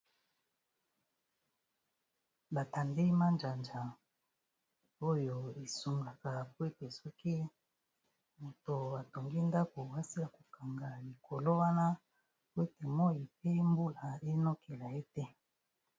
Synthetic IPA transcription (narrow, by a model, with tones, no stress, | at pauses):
ba˨ta˨nde˦ma˦nd͡ʒa˨nd͡ʒa˨ | o˦jo˨e˨su˨ŋɡa˨ka˨pwe˦te˨sɔ˦ki˦ | mo˨to˨a˨to˨ŋɡi˦nda˦ko˨wa˦si˦la˨ko˨ka˨ŋɡa˨li˨kʰo˨lo˦wa˦na˦ | pwe˦te˨mo˦ji˨p̚e˦mbu˦la˨e˦no˦kʰe˨la˨e˦tɛ˦